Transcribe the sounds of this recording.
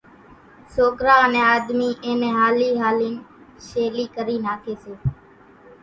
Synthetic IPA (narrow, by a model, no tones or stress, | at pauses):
soːkɾaːənẽːaːd̪miːʔẽːmẽːɦaːliːɦaːliːn | ʃeːliːkəɾiːnaːt̪ʰeːseː